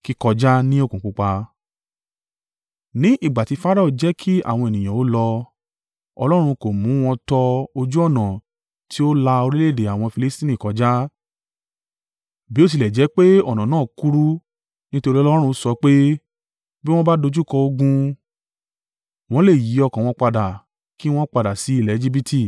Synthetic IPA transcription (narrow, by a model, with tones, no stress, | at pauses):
ki˦kɔ˧d͡ʒa˦nĩ˦o˦kũ˨k͡pu˦k͡pa˧ | nĩ˨˦ʔi˦˨ɡ͡ba˨ti˧˦fa˦ɾa˦u˨d͡ʒɛ˨˦kʰi˦a̰˦˨w̃ɔ̃˧e˨nĩ˨j̃ã˨o˨˦lɔ˧ | ɔ̰˧lɔ˦ɾ̃ũ˧ko˨mũ˨˦w̃ɔ̃˧tɔ˧o˧d͡ʒu˦ɔ˦˨nã˨ | tʰi˨˦o˦la˧o˧ɾi˦le˦˨de˨a˨w̃ɔ̃˧fi˧li˦stĩ˦nĩ˦˨kɔ˨˧d͡ʒa˦ | bi˨˦o˦˨t̬i˧lɛ˨d͡ʒɛ˨˦k͡pe˦ɔ˦˨nã˨nãː˦˨ku˦ɾu˦ | nĩ˦to˧ɾi˦ɔ˦lɾ̃ũ˧sɔ˧˦k͡pe˦ | bi˦w̃ɔ̃˦ba˦do˧d͡ʒu˦kɔ˧o˧ɡũ˧ | w̃ɔ̃˦le˦˨ji˨˦ɔ˧kã˨w̃ɔ̃˧k͡pa˧da˨ | ki˦w̃ɔ̃˦k͡pa˧da˨si˨˦i˦˨lɛ˨˧d͡ʒi˦bi˦tʰi˧˨